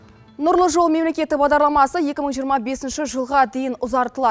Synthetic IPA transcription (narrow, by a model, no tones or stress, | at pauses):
nʊɾlˠəʒolˠme̞mlekʲe̞t̪ɪbɑʁd̪ɑɾlˠɑmɑsəje̞kʲɪməɴʒijəɾmɑbe̞sɪnʃɪʒəlˠʁɑd̪e̞jɪnʊzɑɾt̪əlˠɑd̪ə